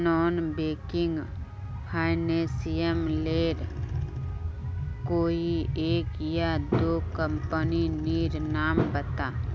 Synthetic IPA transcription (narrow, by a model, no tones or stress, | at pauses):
nɔːnbeːkɪŋɡ | pʰaːjnesijəmleːɾ | koːieːkjad̪okəmpəniniːɾnaːmbət̪a